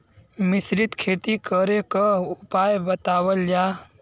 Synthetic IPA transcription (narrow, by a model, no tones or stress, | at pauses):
mɪsɾɪt̪kʰeːt̪ikəɾekəʊpaːjbət̪aːwəld͡ʒaː